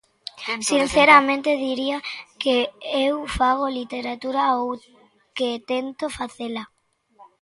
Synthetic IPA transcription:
sinθeɾamẽnt̪eðiɾiakeewfaɣ̞olit̪eɾat̪uɾaow | ket̪ent̪ofaθela

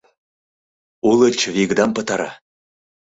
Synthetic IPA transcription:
ulə̆t͡ɕviɣd̪ɑmpə̆t̪ɑɾɑ̰

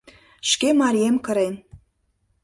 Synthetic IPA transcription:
ʃkʲemɑɾʲijemkəɾejn

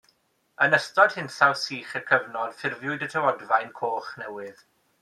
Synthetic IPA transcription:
ənəstɔd̥hɪnθawsiːχəkʰəvnɔd̥fɪrvjʊɨdətʰəwɔdvajnkʰoːχnɛwɨð

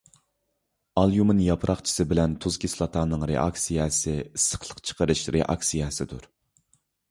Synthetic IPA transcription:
ɑlˠjumɨnjɑpʰɾʔɑχt͡ʃʰi̥sɨbɪlɛnt̪ʰuzkʲislˠɑt̪ʰɑːnɨŋɾḛʔɑksijɛsɪisːə̥χlˠəqt͡ʃʰə̥qʰəɾɨʃɾʔḛʔɑ̰ksijɛsɨd̪uɾ

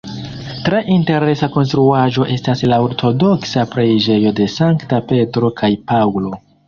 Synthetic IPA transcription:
tɾe̞ʔinte̞ɾe̞sako̞nstɾuaʒo̞ʔe̞staslao̞ɾtʰo̞do̞ksapɾed͡ʒe̞jo̞de̞saŋktape̞tɾo̞kʰajpawlo̞

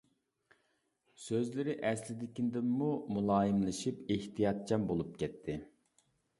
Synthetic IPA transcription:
søzlɪɾɪʔɛslɪd̪ɪkʲind̪ɪmːumulˠɑːjɨmlˠɨʃipeht̪ʰijɑt̪̚t͡ʃʰɑmbolˠup̚kʲʰɛt̪ʰːɪ

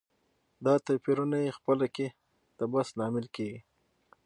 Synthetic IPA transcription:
d̪ɑt̪apiɾunajexpəlake | t̪abasnɑmɪlkeɡi

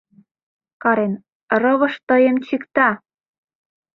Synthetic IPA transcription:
kɑɾen | rɤ̆βɤ̆ʃt̪ɤjemt͡ɕikt̪ɑ

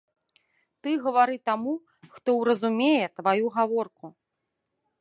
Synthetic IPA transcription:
t̪ɨɣɐvaɾɨt̪amu | xt̪ɔwɾɐzumʲejɛt̪vajuɣavɔrku

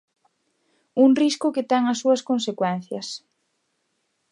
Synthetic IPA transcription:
uŋriskʊket̪ɛŋɐsːuɐskonsekwɛn̟θjɐs

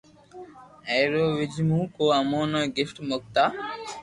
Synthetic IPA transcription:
ɛjɾoːʋid͡ʒimũːkoɐmoːnɔɡifʈmok̚t̪a

